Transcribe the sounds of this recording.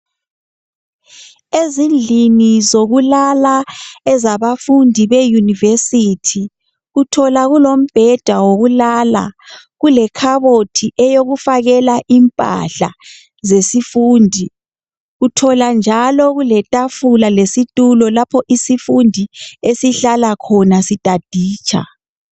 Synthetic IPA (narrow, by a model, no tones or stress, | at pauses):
ezind͡ɮʱinizoɣulalaɛzaβafundʱiβejunivesitʰi | ɣutʰɔlaɣulom̩b̥ʱɛd̥ʱwawoɣulala̰ | ɣulɛkʰaβotʰiʔɛjoɣufaɣɛlaʔimpʼa̰ɬa | zesifuːndʱi | ɣutʰɔland͡ʒʱalɔɣulɛtʼafulalesitʼulɔlapʰɔʔisifundʱiesiɬalakʰɔnasitʼad̥ʱiːt͡ʃʰʼa̰